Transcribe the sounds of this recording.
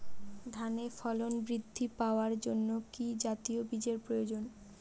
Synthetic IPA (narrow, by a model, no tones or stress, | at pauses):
d̪ʱanefɔlonbɾid̪ʱːipaoaɾd͡ʑonːokid͡ʑat̪iobid͡ʑeɾpɾojod͡ʑon